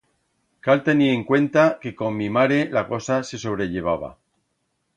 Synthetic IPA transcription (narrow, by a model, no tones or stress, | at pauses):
kalt̪e̞nieŋkwe̞nt̪ake̞ko̞mːimaɾe̞lako̞sase̞so̞β̞ɾe̞ʎe̞β̞aβ̞a̰